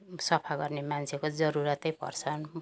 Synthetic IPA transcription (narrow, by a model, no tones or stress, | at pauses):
sʌpʰaɡʌrnemant͡sʰekod͡zʌɾuɾʌt̪ʌjpʌ̰rt͡sʰʌn